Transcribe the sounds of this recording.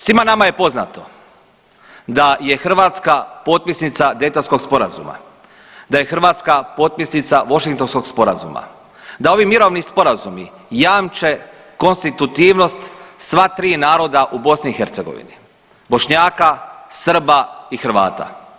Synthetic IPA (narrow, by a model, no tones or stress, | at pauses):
sʋimanamaje̞po̞zna̰t̪o̞ | d̪aje̞xr̩ʋaːt̪skapo̞t̪̚pisnit̪sad̪et̪onsko̞ɡspo̞ɾazṵma̰ | d̪aje̞xr̩ʋaːt̪skapo̞ːt̪̚pisnit̪saʋo̞ʃiŋk̚t̪o̞nsko̞ɡspo̞ɾa̰zṵma̰ | d̪ao̞ʋimiɾo̞ʋnispo̞ɾazumi | jaːmt͡ʃe̞ | ko̞nst̪it̪ut̪iːʋno̞st̪sʋat̪ɾiːnaːɾo̞d̪aʔubo̞sniːxeɾt̪se̞ɡo̞̰ʋḭnḭ | bo̞ʃɲaːkasr̩baixɾ̩ʋa̰ːt̪a̰